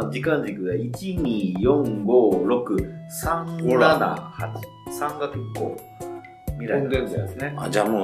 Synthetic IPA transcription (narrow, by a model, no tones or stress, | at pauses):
d͡ʑikãɲd͡ʑikɯ̟ɡait͡ɕiɲ̟iːjõ̞ŋɡo̞ːɾo̞kɯ̟sãŋɡonana̰hat͡ɕi̥ | sãŋɡatɯkːo̰ | mʲiɾad̪ẽnesɨnead͡ʑaːmo